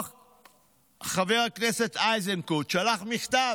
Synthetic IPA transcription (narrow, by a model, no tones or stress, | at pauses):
χaveʁakneset̪ajzeŋkut̪ʃalaχmiχt̪a